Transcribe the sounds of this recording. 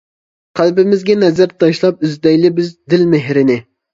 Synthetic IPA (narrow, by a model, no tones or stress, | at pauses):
qʰælbɪmɪzɡʲɛnɛzæɾt̪ʰɑʃlˠɑp̚yzd̪ɛjlɪbɪzd̪ɪlmɪɦɾɪnɪ